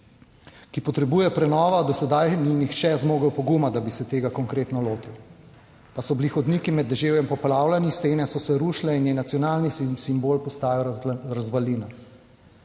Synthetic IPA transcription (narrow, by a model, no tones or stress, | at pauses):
kipɔt̪ɾɛbuːjɛpɾɛnɔːʋad̪ɔsɛd̪ajninixt͡ʃɛzmoːɡəwpɔɡumad̪abisɛt̪eːɡakɔŋkɾeːt̪nɔloːt̪iw | pasɔbilixɔd̪niːkimɛd̪ːɛʒeːwjɛmpɔpɾaːwlaniseːnɛsɔsɛɾuʃlɛinjɛnat̪sjɔnaːlnisimboːlpɔst̪aːjɔɾazʋaliːna